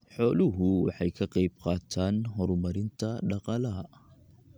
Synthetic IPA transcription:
ħɔːlʊɦʊwɑ̰ħɑjkʰɐqɑjb̚qɑːt̪ʰaːnɦɔɾmɐɾɪnt̪ʰɐɖɑqɑlɐ

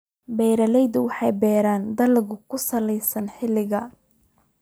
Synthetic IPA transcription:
bɛːɾɐlɛjd̪ʊwɑħɑjbɛːɾaːnd̪ɐlɣʊkʰʊsɐlɛjsɐnħɪlɪɣɐ

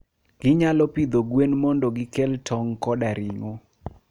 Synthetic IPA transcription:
ɡ̥ɪɲalɔpid̪oɡwenmɔndɔɡɪkɛltʰɔŋkɔdaɾiŋo

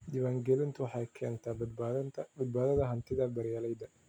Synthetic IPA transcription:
d̪ɪβaːŋɡɛlɪnt̪ʰʊwɑħɑjkʰɛːnt̪ʰabɐd̪t̪ʰbɐd̪̚baːðɐðɐɦɐnt̪ʰɪðɐbɐɾjalɛjd̪ɐ

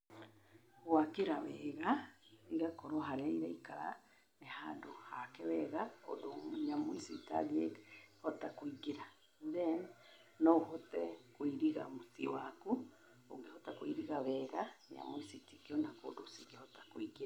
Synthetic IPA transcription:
wakiɾaβɛɣaiɣakoɾoɦaɾeiɾaikaɾa̰ | nehandohakɛβɛɣako̰doɲamwisita̰ɡehotakwiɡiɾa | ðen | noɦotɛkwiɾiɣa̰musiwaku | o̰ɡihotakwiɾiɣaβɛɣaɲa̰mwisitikionako̰dosiɡihotḁkwiɡiɾa

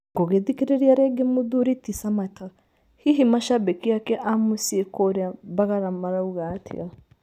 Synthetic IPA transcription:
ŋɡoɣeðikeɾeɾiaɾɛɡemoðuɾitisamata | hiɦimaʃabekiakɛʔamusiekoɾeaβaɣaɾamaɾauɣatʰḭɣa

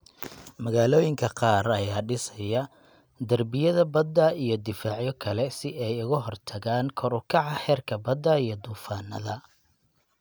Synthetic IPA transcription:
mɐɣaːlɔːjɪŋkʰɐqɑːɾɐjaːɖɪsɐjɐ | d̪ɐrbɪjɐðɐbɐd̪ːɐijɞd̪ɪfaːʕjɔkʰɐlɛsɪʔɛjʊɣɐɦɔrt̪ʰɐɣaːnkʰɔɾʊkʰɑʕɑhɛːrkʰɐbɐd̪ːɐijɞd̪uːfaːnɐ̰ðɐ

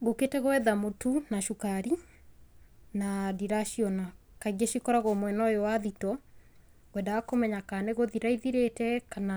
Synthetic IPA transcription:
ɣoketɛɣoɛðamotunaʃukaɾi | nadiɾaʃiɔna | kaɣeʃikɔɾaɣɔmwɛnɔjɔwaðitɔ | wɛndaɣakomɛɲakaneɣoðiɾaiðiɾetɛkana

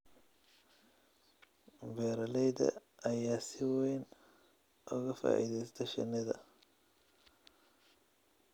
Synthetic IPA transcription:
bɛːɾɐlɛjd̪ɐ̰ɐjaːsɪwɛjn | ʔʊɣɐfa̰ːʔḭðɛjst̪ʰɛʃɐ̰nɪðɐ

